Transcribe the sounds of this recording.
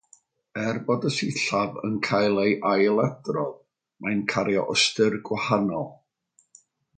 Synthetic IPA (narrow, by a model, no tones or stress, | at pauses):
ɛrbɔdəsiɬavə̰nkʰajlˠejʔajlˠɛdrɔð | mʔajnkʰaɾjɔʔɔstɪrɡwahanɔlˠ